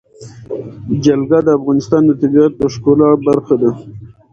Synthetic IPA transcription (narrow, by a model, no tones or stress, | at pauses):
d͡ʒalɡad̪əafɣɑnɪst̪ɑnd̪ət̪ɪbɑat̪̚pəʂkolɑbaɾxad̪a